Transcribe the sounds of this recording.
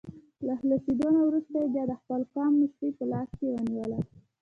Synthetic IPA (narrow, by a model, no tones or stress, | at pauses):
lahləsid̪onawɾust̪ajebjɑd̪əxpəlkɑmnɪʃʈ̪əpəlɑskewəniwəla